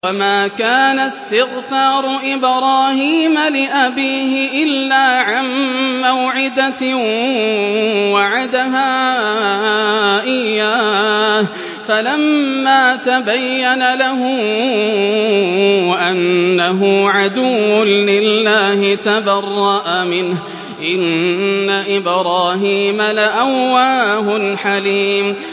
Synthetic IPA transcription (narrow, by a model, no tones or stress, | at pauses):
wamaːkaːnast̪ɪɣfɑːɾˤʊʔɪbɾˤɑːhiːmalɪʔabiːhɪʔɪlːaːʕanːawʕɪd̪a | waʕad̪aɦaː | ʔɪjaːh | falamːaːt̪abajːanalaɦʊ | ʔanːaɦʊʕad̪ʊwːʊnlɪlːaːhɪt̪abɑrˤːɑʔamɪnh | ʔɪnːaʔɪbɾɑːɦiːmalaʔawːaːɦʊlħaliːm